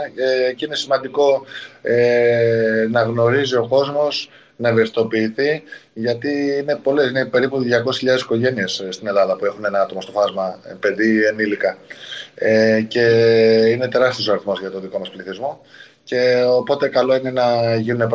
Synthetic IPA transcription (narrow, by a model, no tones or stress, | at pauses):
eceine̞simɐnd̪iko̞e | nɐɣno̞ɾizio̞ko̞zmo̞s | nɐevesit̪o̞piːθiʝɐt̪iine̞po̞le̞sinepe̞ɾipuðʝɐko̞sisçiʎɐðe̞si̥ko̞ʝe̞nie̞sst̪ine̞lɐðɐpue̞xune̞nɐɐt̪o̞mɐst̪o̞fɐzmɐpend̪ienilikɐ | ece̞ine̞t̪e̞ɾɐst̪iosɐɾiθmo̞zʝɐt̪o̞nðiko̞mɐspliθizmo̞ | ce̞opo̞t̪e̞kɐlo̞ine̞nɐʝinune̞p